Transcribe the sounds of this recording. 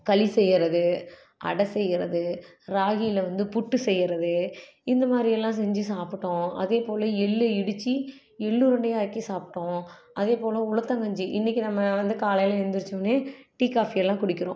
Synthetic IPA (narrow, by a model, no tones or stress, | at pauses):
kɐlɪsɛjːɪɾɐðɯ | ʔɐ̰ɽɐsɛjːɪɾɐðɯ | ɾaːɣijɪlɐʋɐnd̪ɯpʊʈːɯsɛjːɪɾɐðɯ | ɪnd̪ɐmaːd̪ɾɪjɛlːãːsɛɲd͡ʒɯsaːpɪʈːõːɐ̰ðeːpoːlɐɛɭːɯɪɽɯt͡ʃːi | ɛɭːuɾɐɳɖɐjaːkːisaːpʈːõːɐðeːpoːlɐʊlɐt̪ːɐŋɡɐɲd͡ʒiʔɪnːɪkʲːinɐmːɐʋɐnd̪ɯkaːlɐjlɐɛɾnd̪ɯɾɯt͡ʃːɯneːʈiːkaːfiɛlːãːkʊɽɪkʲːɪɾõ